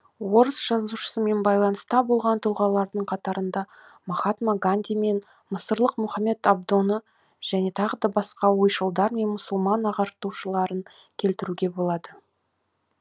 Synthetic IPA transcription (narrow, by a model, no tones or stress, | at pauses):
wo̞ɾəsʒ̥ɑzuʃə̥səme̞nbɑjlˠɑnəst̪ɑbo̞lˠʁɑnt̪ʰʊlˠʁɑlˠɑɾd̪əɴqʰɑt̪ɑɾənd̪ɑ | mɑχɑt̪maɡanʲd̪ʲijme̞n | məsəɾlˠəqmʊχɑme̞t̪ab̚d̪o̞nə | ʒ̥æne̞t̪ʰɑʁəd̪ɑbɑsqɑwo̞jʃəlˠd̪ɑɾme̞nmʊsəlˠmɑnɑʁɑɾt̪uʃəlˠɑɾəŋ | kʲʰe̞lt̪ɪɾuɡʲe̞bo̞lˠɑd̪ə